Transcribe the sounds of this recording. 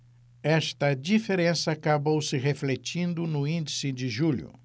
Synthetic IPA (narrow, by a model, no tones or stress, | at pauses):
ɛʃt̪ɐd͡ʒifeɾẽsɐːkabowsɪɦeflet͡ʃĩnd̪ʊnʊĩnd͡ʒisɪd͡ʒɪʒuʎʊ̰